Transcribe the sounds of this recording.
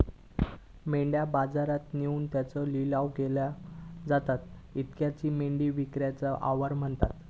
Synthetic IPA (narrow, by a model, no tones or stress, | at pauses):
meɳɖjabad͡zaɾat̪neuːnt̪jat͡sɔlilaʋɡelad͡zat̪at̪it̪kjat͡ɕiːmeɳɖiːʋikɾjat͡səʔa̰ʋəɾm̤əɳt̪at̪